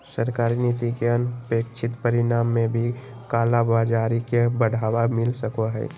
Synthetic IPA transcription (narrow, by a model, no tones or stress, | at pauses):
səɾkaːɾinit̪ikeənpeːkt͡ʃʰɪt̪pəɾɪnaːmːẽbʱi | kaːlabaːd͡ʒaːɾikebəɽ̤ʱaːwamɪlsəkoɦɛ̰ː